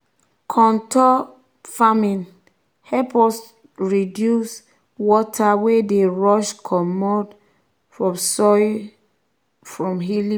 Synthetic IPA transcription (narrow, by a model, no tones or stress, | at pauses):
kʰɔ̃ntʰɔ | famĩn | hɛpɔs | ɹidjus | wɔtʰawedeɹɔʃkʰɔmɔd | fɹɔ̃msɔ | fɹɔ̃mɦili